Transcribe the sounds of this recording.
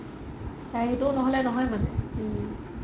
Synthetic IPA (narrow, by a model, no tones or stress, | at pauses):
taɹetunɔɦɔlɛnɔɦɔjmanɛ